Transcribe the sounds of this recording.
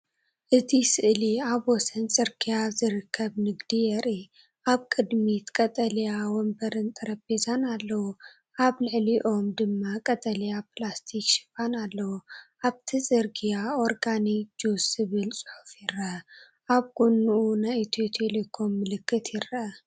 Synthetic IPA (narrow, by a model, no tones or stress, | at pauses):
ʔɨt̪ʰisɨʔliaβwɔsɐnsʼɨɾkʰijazɨɾɨkʰːɐβnɨɡd̪ijɛɾi | ʔaβkʼɨd̪mit̪kʼɐt̪ʼɐlijawɔmbɐɾɨnt̪ʰʼɐɾɐbezanalːɐwu | ʔaβlɨʕliʔo̞md̪ɨmːakʼɐt̪ʼɐljaplast̪ʰikʃɪ̥fanalːɐwuʔaβt̪ʰisʼɨɾkʰijaoɾɡanid͡ʒusɨβɨlsʼɨ̥ħu̥fjɪɾɐ | ʔaβɡunːuʔunajt̪ʰet̪ʰelekʰo̞mːɨlɨkːɨt̪ʰjɪɾːɐɐ